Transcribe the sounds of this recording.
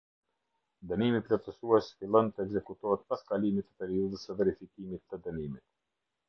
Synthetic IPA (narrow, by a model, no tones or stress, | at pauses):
d̪ənimiplɔft̪əsuɛsfilˠɔnt̪əɛɡzɛkut̪ɔɦɛt̪paskalimit̪ːə̥pɛɾiuðəsəvɛɾifikimit̪ːəd̪ənimit̪̚